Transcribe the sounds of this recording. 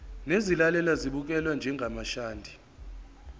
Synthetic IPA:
nezilalɛlaziɓuk̬ʼɛlwand͡ʒʱɛŋɡʱamaʃaːndʱi̥

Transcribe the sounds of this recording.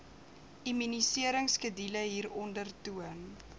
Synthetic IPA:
ʔimynisiəɾəŋskədiləɦiːɾɔndərtuən

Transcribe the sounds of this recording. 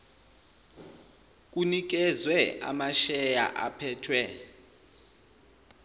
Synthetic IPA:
k̬ʼunik̬ɛzwɛa̰maʃɛja̰ʔa̰pʰɛːtʰwɛ

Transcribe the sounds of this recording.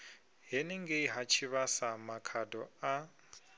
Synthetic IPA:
ɦɛnɛŋɡeiɦat͡ʃʰiβasamakʰadɔa

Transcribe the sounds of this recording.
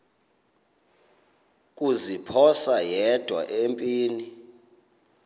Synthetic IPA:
kʼuzipʰɔsajɛd̥ʱwa̰ʔempʼiːni

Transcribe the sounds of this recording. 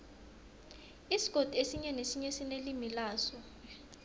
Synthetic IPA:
isi̥ɡ̥ʱod̥ʼʱesiɲɛnesiɲɛsinelimilaːsɔ

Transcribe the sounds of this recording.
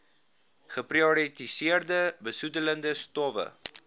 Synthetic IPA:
χəpriɔɾitisiərdəbəsutələndəstɔvə̰

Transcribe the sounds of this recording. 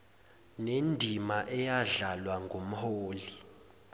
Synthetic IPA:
nendʱimaʔɛjaɮalwaŋɡom̩hoːli

